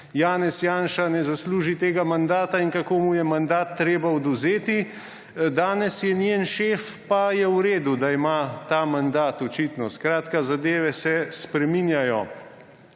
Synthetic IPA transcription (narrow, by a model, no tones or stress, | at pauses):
jaːnɛsjaːnʃanɛzasluːʒit̪eːɡamand̪aːt̪aiŋkakoːmujɛmand̪aːt̪ːɾeːbaɔd̪uzeːt̪i | d̪aːnɛsjɛniənʃeːfpajɛwɾeːd̪ud̪aimaːt̪aːmand̪aːt̪ɔt͡ʃit̪nɔskɾaːt̪kazad̪eːʋɛsɛspɾɛminjajɔ